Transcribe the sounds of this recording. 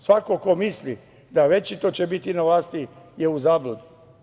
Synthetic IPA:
sʋakoko̞misli | d̪aʋe̞t͡ʃit̪ot͡ɕebit̪inaʋlaːst̪ijeuzaːblud̪u

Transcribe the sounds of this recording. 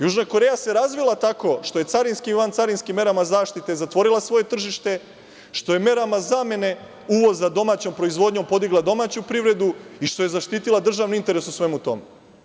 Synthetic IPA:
juʒnako̞ɾe̞jase̞ɾazʋilˠat̪ako̞ʃt̪o̞je̞t̪saɾinskimʋant̪saɾinskimːe̞ɾamazaːʃt̪it̪e̞zat̪ʋo̞ɾilˠasʋo̞je̞t̪r̩ʒiʃt̪e̞ | ʃt̪o̞je̞me̞ɾamazame̞ne̞ | uʋo̞zːad̪o̞maːt͡ɕo̞mpɾo̞izʋo̞d̪ɲo̞mpo̞d̪iɡlˠad̪o̞maːt͡ɕupɾiʋɾe̞d̪uiʃt̪o̞je̞zaʃt̪it̪ilˠad̪r̩ʒaʋniint̪eɾe̞susʋe̞mut̪o̞̰me

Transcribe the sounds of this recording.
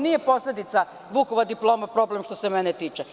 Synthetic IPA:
nije̞po̞slʲe̞d̪it̪sa | ʋukoʋad̪iplˠo̞ːmapɾo̞ːblemʃt̪o̞semɛnet̪iːt͡ʃe

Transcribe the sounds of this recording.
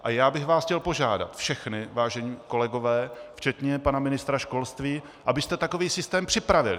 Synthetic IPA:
ʔajaːbɪxvaːscɛlpo̞ʒa̰ːda̰t̪fʃɛxnɪvaːʒɛɲiːko̞lɛɡo̞vɛːft͡ʃɛt̪ɲɛpanamɪnɪst̪ɾaʃko̞lst̪viː | ʔabɪst̪ɛt̪ako̞viːsɪst̪ɛːmpr̥ɪpɾavɪlɪ

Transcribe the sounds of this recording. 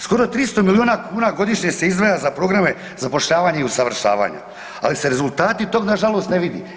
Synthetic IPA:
sko̞ɾo̞t̪ɾist̪o̞milioːnakuːnaɡo̞d̪iʃɲese̞izd̪ʋajazapɾo̞ɡɾame̞ | zapo̞ʃʎaːʋaːɲeiusaʋr̩ʃa̰ːʋa̰ːɲa̰ | a̰lise̞ɾe̞zulˠt̪aːt̪it̪o̞ɡnaʒalˠo̞ːst̪neʋid̪ḭ

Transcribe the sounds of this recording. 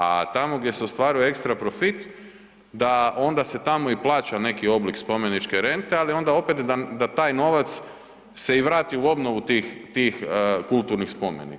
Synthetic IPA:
a̰t̪amo̞ɡd̪ʲje̞seost̪ʋaːɾujoe̞kst̪ɾapɾo̞fit̪ | d̪ao̞nd̪ase̞t̪amo̞iplˠaːt͡ʃane̞kio̞blikspo̞mje̞nit͡ʃke̞ɾe̞nt̪e̞alio̞nd̪ao̞pet̪d̪ad̪at̪aːjno̞ʋat̪s | se̞iʋɾaːt̪iuo̞bno̞ʋut̪iːxt̪iːxkulˠt̪uɾnixspo̞mjḛnḭ

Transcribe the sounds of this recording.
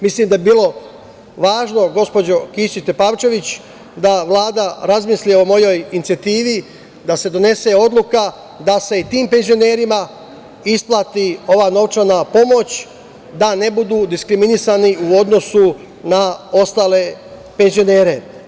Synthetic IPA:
misliːmd̪ajebiːlˠo̞ | ʋaːʒno̞ɡo̞spo̞d͡ʑo̞kit͡ʃit̪e̞paːʋt͡ʃe̞ʋit͡ɕ | d̪aʋlˠaːd̪aɾazmislieo̞mo̞jo̞jinit̪sijat̪iːʋi | d̪ase̞d̪o̞ne̞se̞o̞d̪lˠuka | d̪ase̞it̪iːmpe̞nzio̞ne̞ːɾima | isplˠat̪io̞ʋano̞ʋt͡ʃanapo̞mo̞t͡ɕ | d̪ane̞bud̪uːd̪iskɾiminisaniuo̞d̪no̞su | nao̞st̪aːle̞ | pe̞nzio̞ne̞ːɾe̞

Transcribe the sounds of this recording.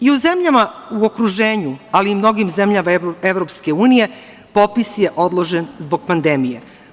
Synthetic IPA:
iuzemʎamauokɾuʒeːɲualiːmno̞ɡimzemʎamaevɾo̞pske̞uːnije̞ | po̞pisje̞ʔod̪lˠo̞ʒenzbo̞ɡ̥̚pand̪e̞mije̞

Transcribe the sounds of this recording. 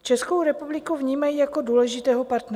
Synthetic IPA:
t͡ʃɛsko̞wɾɛpublɪkuvɲiːmajijako̞duːlɛʒɪt̪ɛːɦopaɾt̪nɛ

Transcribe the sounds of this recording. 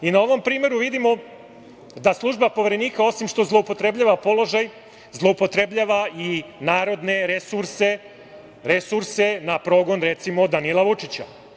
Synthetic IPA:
inao̞ʋo̞mpɾiːme̞ɾuʋid̪imo̞ | d̪aslˠuʒbapo̞ʋeɾe̞niːkao̞simʃt̪o̞zlˠoupo̞t̪ɾe̞bʎaʋapo̞lˠo̞ʒaj | zlˠo̞upo̞t̪ɾe̞bʎaʋainaːɾo̞d̪ne̞ɾesuɾse | ɾe̞suɾse̞napɾo̞ɡo̞nɾe̞t̪simo̞d̪anilˠaʋut͡ʂit͡ɕa̰

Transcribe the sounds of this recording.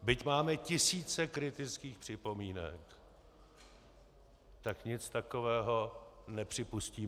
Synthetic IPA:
bɪcmaːmɛcɪsiːt͡sɛkɾɪt̪ɪt͡skiːxpr̥ɪpo̞miːnɛ̰k | t̪akɲɪt͡st̪ako̞vɛːɦo̞nɛpr̝̥ɪpusciː

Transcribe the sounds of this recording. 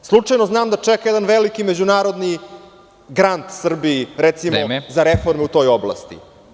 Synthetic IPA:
slˠut͡ʂajnoznaːmd̪at͡ʂɛkajed̪anʋelikimed͡ʑunaːɾod̪ni | ɡɾant̪sr̩biːɾɛt̪simozaɾefoɾmeut̪o̞ːjoblˠa̰st̪ḭ

